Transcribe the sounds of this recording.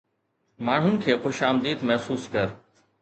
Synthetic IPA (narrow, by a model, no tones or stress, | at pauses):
maːɳ̤ʊnɪ̆kʰeːxʊʃaːmd̪iːd̪mɛɦsuːskəɾ